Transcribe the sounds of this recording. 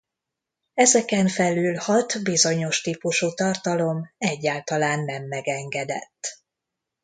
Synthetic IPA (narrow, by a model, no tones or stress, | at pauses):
ɛzɛkɛɱfɛlyːlhɒt̪bizo̞ɲo̞ʃt̪iːpuʃuːt̪ɒrt̪ɒlo̞mɛɟːaːlt̪ɒlaːnːɛmːɛɡɛŋɡɛd̪ɛ̰t̪ː